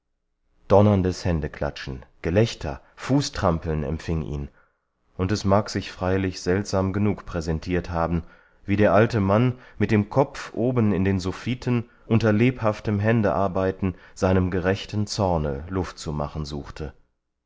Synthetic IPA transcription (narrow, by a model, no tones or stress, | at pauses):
d̥ɔnɐndəshɛndəkʰl̥a̰t͡ʃn̩ɡ̥əlɛçtʰɐ̰ | fuːstʁ̥ampl̩nɛ̰mfɪŋʔḭːn | ʔʊntɛsmaːkz̥ɪçfʁ̥aɪlɪçz̥ɛltz̥aːmɡənuːkpʁ̥ɛzɛntʰiːɐthaːbm̩ | viːdeːɐʔaltəmanmɪt̚d̥eːmkʰɔp͡fʔoːbənɪndeːnzufiːtʰən | ʔʊntɐleːphaftəmɦɛndəʔaɐbaɪtn̩z̥aɪnəmɡəʁɛçtn̩t͡sɔɐnə̰lʊftt͡suma̰χn̩zuːχtʰə